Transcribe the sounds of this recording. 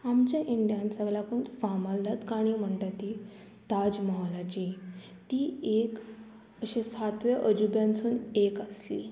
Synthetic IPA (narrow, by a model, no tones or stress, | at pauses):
amt͡ɕjaʔiɳɖijansəɡɭakunfamald̪at̪kaɽ̃iːm̤əɳʈ̪at̪iː | t̪ad͡ʑmɔɦalat͡ɕi | t̪iːek | əɕesat̪ʋaʔəd͡ʑubjãnt͡suːnekaslḭ